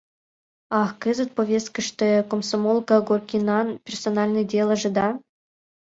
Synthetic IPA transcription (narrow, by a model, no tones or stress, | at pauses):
ɑxkɨzə̆t̪̚povʲest̪kə̆ʂt̪ĕkomsomolˠkəɡorkʲinɑnpʲersonɑlʲnɨjdʲelˠə̆ʐɨ̆d̪ɑ